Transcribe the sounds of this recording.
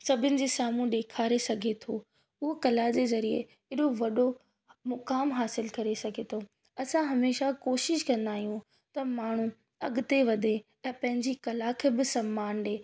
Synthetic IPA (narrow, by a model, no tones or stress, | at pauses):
sɐbʱɪnɪ̆d͡ʑeːsaːmũɗeːkʰaːɾesɐɡʱet̪ʰoː | ʊɦokɐlad͡ʑeːzɐɾiḛ | ɪɗoʋɐɗo | mʊkaːmɦaːsɪlkɐɾesɐɡʱet̪ʰo | ɐsãɦɐmeːʃakoːʃɪʃkɐ̃nd̪aːɦijũ | t̪ɐmaːɳ̤ũ | ɐɠʊt̪eʋɐd̪ʱe | ɛ̃ːpɐ̃ɦɪ̃ɲd͡ʑikɐlakʰeːbɪsɐmːaːnɗeː